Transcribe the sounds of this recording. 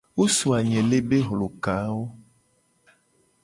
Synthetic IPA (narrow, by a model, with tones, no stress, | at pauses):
wo˦su˨a˨ɲɛ̃˨le˦be˦ɦlo˨ka˨˦wo˦